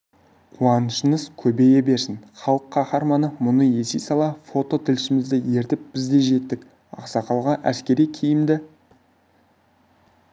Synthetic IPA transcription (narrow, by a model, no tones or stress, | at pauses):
qʰuɑnəʃəɴəzkʲʰɵbe̞jebe̞ɾsɪnχɑlˠəqʰːɑχɑɾmɑnəmʊnəje̞sejsɑlˠɑfo̞t̪o̞t̪ʰɪlʃɪmɪzd̪ɪje̞ɾt̪ɪp̚b̥ɪzd̪e̞ʒe̞t̪ːɪk | ɑ̰qsɑqʰɑlˠʁɑʔæ̰skʲe̞ɾijkʲʰijɪmd̪ɪ